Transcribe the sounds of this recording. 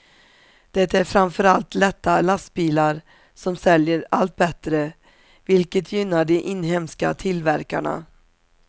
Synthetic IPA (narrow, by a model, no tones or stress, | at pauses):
d̪̥ɛt̪ːæɾfɾamfœɾalt̪lɛt̪ːalast̪̚biːlaɾ | sɔmsɛljəɾalt̪̚bɛt̪ɾə | vɪlkət̪ʰjʏnːaɖɛʔɪnhɛmska̰t̪ʰɪlvæɾka̰ɳa̰